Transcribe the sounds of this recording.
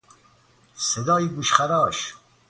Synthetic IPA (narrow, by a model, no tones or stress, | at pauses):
sed̪ɑːiɡuʃχaɾɑːɕ